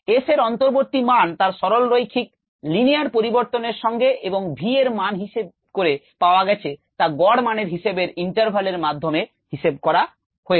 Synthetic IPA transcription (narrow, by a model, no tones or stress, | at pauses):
eseɾɔnt̪oɾboɾt̪imant̪aɾʃɔɾolɾojkʰik̚ | liniaɾpoɾiboɾt̪oneɾʃɔŋɡeʔeboŋbʱieɾmanɦiʃeb̚ | koɾe | paoaɡɛt͡ɕʰet̪aɡɔɽmaneɾɦiʃebeɾiɳʈaɾbʱaleɾmad̪ʱːome | hiʃeb̚kɔɾa | hoe